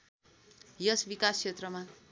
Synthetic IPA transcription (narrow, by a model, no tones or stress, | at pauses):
jʌsbikast͡ʃʰet̪rʌma